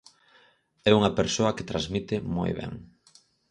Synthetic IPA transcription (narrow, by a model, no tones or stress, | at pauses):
ɛuŋɐpeɾsoɐket̪ɾazmit̪ɪmo̰jβɛ̰ŋ